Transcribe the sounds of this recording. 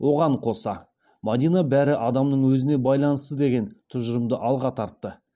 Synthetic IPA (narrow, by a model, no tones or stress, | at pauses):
wʔo̞ʁɑɴqʰo̞sɑ̰ | mad̪ijnabæɾɪʔɑd̪ɑmnəɴwɵzɪne̞bɑjlˠɑnəst̪əd̪e̞ɡʲe̞nt̪ʰʊʒəɾəmd̪əʔɑlˠʁɑt̪ʰɑɾt̪ːə